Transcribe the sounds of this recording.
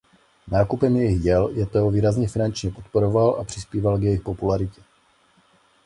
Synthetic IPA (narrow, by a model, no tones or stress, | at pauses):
naːkupɛmjɛjɪɣjɛljɛt̪oɦoviːɾazɲɛfɪnant͡ʃɲɛpot̪poɾo̞valʔapr̝̥ɪspiːvalkjɛjɪxpo̞pulaɾɪcɛ